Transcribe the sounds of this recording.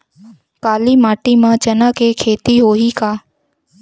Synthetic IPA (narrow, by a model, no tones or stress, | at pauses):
kaːlimaːʈimãt͡ʃɐnãːkekʰeːt̪iɦoːɦikaː